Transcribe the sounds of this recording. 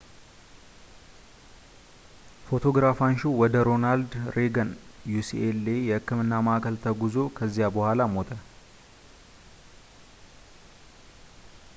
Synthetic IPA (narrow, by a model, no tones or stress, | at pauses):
fo̞t̪ʰo̞ɡɾafanʃuwɔd̪əɾo̞nald̪ɾeɡənjusiʔelːejɛhɨkːɨmɨnːaməʔakʰəlt̪ʰəɡuzo̞kʰəzːijabəhʷalamo̞t̪ʰə